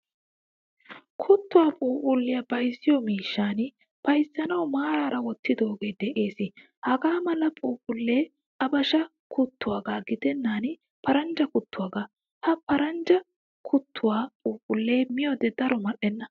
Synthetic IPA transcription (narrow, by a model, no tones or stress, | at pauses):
kʰʊt̪ːʊwaːpʼuːpʼʊlːɪjɐbɐjzɪjɔmiːʃːaːn | pɐjzːɐnɐwmaːɾaːɾɐwɔt̪ːɪd̪o̞ːɡe̞ːd̪ɛʔe̞ːsɪ | hɐɡaːmɐlɐpʼuːpʼʊlːe̞ː | ɐbɐʃɐ | kʰʊt̪ːʊwaːɡaːɡɪd̪ɛnːaːn | pʰɐɾɐnd͡ʒɐkʊt̪ːʊwaːɡaː | hɐpɐɾɐnd͡ʒɐ | kʰʊt̪ʰːʊwaːpʼuːpʼʊlːe̞ːmɪjɔd̪ɛd̪ɐɾɔmɐɗɛnːɐ